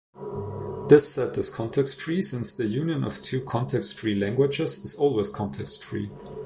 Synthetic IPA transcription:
ðɪsːɛtɨz̥kʰɑ̃ntʰɛkstfɹisɪ̃nsðɨjʉ̃njɨ̃nʌ̰v̥tʰʉːkʰɑ̃ntʰɛkstɹiːlæ̃ŋɡwɪd͡ʒɪzɨz̥ɔlˠwɪz̥kʰɑ̃ntʰɛkstɹḭː

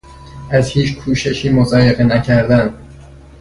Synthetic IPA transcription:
ʔæzhiːt͡ʃʰkʰuːʃe̞ʃiːmozɒːjeɣenæcʰæɾd̪ænd̪

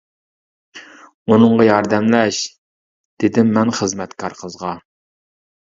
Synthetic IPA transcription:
unɨɴʁɑjɑɾd̪ɛmlɛʃ | d̪̥ɪd̪ɪmːɛnχəzmɛt̪kʰɑɾqʰəzʁɑ

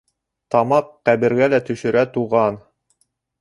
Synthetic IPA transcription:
t̪ɑmɑqːæβɘ̆ɾɡælæt̪ɵ̆ʃɘ̆ɾæt̪uʁɑn

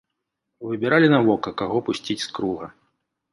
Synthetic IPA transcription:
vɨbʲɛɾalʲinavɔkɐkaɣɔpusʲt͡sʲit͡sʲskɾuɣɐ

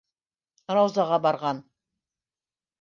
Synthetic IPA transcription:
ɾɑwzɑʁɑbɑɾʁɑn

